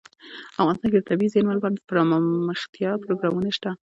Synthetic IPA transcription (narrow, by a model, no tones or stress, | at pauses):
afɣɑnst̪ɑnked̪ət̪abizenmalbɑnpaɾɑmməxt̪jɑpɾoɡɾɑmunaʃt̪a